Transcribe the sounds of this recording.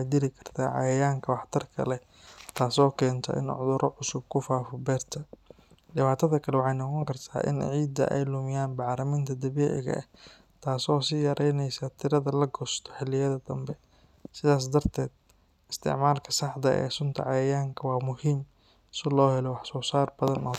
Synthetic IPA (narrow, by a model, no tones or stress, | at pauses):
wħɑjd̪ɪlɪkʰɐ̥rt̪ʰa̰ːʕɑ̰jɐjaːŋkʰɐwɑħt̪ʰɐrkʰɐ̰lɛ | t̪ʰaːsɔːkʰɛːnt̪ʰɐ̰ʔɪ̰nʕʊ̰ðʊɾʔɔʕʊsʊb̚kʰʊfaːfɔbɛːrt̪ʰɐ | dɪβaːt̪ʰɐðɐkʰɐlɛwɑħɑjnɔqɔŋkʰɐrt̪ʰa̰ːʔɪ̰nʕiːd̪ɐ̰ʔɛ̰jlʊmɪjaːnbɑʕɾɐmɪnt̪ʰɐd̪ɐβiːʕɪ̰ɣɐ̰ʔɐ̰ | t̪ʰaːsɔːsɪjɐɾʔɛjnɛjsat̪ʰɪɾɐðɐlɐɡɔst̪ʰɔ̥ħɪlːɪjɐðɐd̪ɐmbɛ | sɪðaːs̬d̪ɐrt̪ʰɛːd̪̚ | ɪst̪ʰɪ̰ʕmaːlkʰɐsɑħd̪ɐʔɛ̰ːsʊnt̪ʰɐ̰ʕɑjɐjaːŋkʰɐwɑːmʊhiːm | sɪlɔːhɛlɛwɑħsɔːsaːrbɐðɐnɔː